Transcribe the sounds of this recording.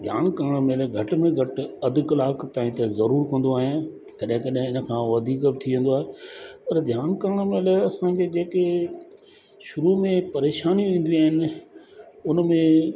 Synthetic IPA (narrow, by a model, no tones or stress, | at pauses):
d̪ʱjaːnkəɾəɽ̃melɡʱɐʈmẽɡʱɐʈɐd̪kɐlaːkt̪aːɦĩt̪ezɐɾuːɾkɐ̃n̆d̪oaːɦet̪ɐɗɦɪ̃kɐɗɦẽɪnə̆kʰãʋɐd̪ʱiːkbɪt̪ʰiʋẽːn̆d̪oaːɦepɐɾd̪ʱjaːnkəɾəɽ̃mẽlɐsãkʰed͡ʑeːke | ʃʊɾumẽpɐɾeːʃaːnij̃ʋĩːn̆d̪iaːɦɪnɪ̆ | ʊnmẽ